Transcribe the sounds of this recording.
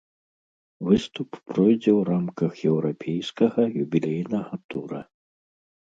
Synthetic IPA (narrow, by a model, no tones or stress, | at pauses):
vɨst̪uppːɾɔjd͡zʲɛwramkɐxjɛwɾapʲʰejskɐɣɐjubʲilʲɛjnɐɣɐt̪uɾɐ